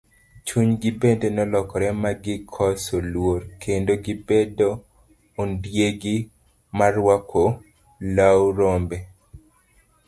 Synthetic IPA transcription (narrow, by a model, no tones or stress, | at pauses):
t͡ʃuɲɡɪbendenɔlɔkɔɾɛmaɡɪkʰɔsolwoɾkʰendoɡɪbedo | ondjeɡɪ | marwakʰo | lawɾombɛ